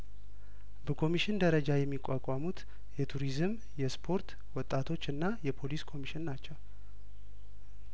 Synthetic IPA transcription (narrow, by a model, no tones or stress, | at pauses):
bəkʰo̞miʃɪnd̪əɾəd͡ʒajɛmːikʼakʷʼamut̪ | jɛt̪ʰuɾizɨm | jɛspʰo̞ɾt̪ | wɔt̪ʼːat̪ʰo̞t͡ʃːɨnːajɛpʰo̞liskʰo̞miʃɪnnat͡ʃːɛw